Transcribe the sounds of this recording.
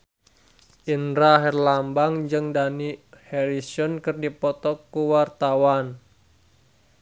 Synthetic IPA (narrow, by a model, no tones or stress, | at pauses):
ʔinɾaɦɛrlambaŋd͡ʒɨŋdanihɛɾisɔnkɨrdipɔt̪ɔkuwart̪awan